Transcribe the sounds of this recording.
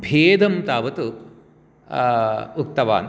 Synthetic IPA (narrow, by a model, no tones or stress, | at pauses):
bʱeːd̪ʱɐmt̪aːʋɐt̪u | uk̚t̪ɐʋa̰ːn